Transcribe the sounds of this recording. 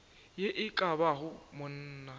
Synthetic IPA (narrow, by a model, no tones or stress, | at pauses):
jeʔɪkʼabaɦʊmʊn̩ːna